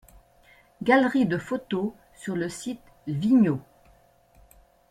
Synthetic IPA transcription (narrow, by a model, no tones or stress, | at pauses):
ɡʲalʁid̪əfot̪o | syʁləsit̪ | viɲo